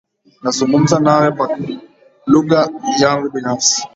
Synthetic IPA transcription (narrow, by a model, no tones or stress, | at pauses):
nazuŋɡum̩zanaɾɛma | luɣajaŋɡubinafsi̥